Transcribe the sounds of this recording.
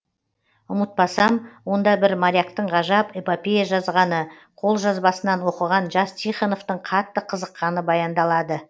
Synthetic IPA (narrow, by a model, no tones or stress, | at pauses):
ʊmət̪̚pɑsɑmwo̞nd̪ɑbɪɾmaɾʲijakt̪əɴʁɑʒɑpepopʲejaʒɑzʁɑnə | qʰo̞lˠʒɑzbɑsənɑnwo̞qəʁɑnʒɑst̪ʰiχano̞ft̪əɴqʰɑt̪ːəqʰəzəqːɑnəbɑjɑnd̪ɑlˠɑd̪ə